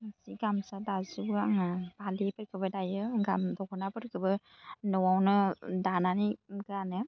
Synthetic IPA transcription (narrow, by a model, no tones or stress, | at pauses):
masiɡamsadazubɯaŋabalipɯɾkʰɯbɯdajɯɡamdɔkʰɔnapɯɾkʰɯbɯ | nɯwawnɯdananiɡɾanɯ